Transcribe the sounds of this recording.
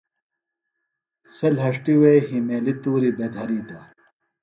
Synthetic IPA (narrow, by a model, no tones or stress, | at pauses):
sɐlɦɐʂʈiwejɦimeːlit̪uːɾibeːd̪ʱɐɾiːt̪ɐ